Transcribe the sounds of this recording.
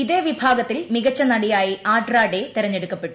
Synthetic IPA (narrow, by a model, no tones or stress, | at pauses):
iðe̞ːʋibʱaːɡɐt̪ːilmiɣɐt͡ɕːɐnɐɽijaːjiʔaːɖraːɖet̪eɾɐɲːeɽukːɐpːe̞ʈːu̥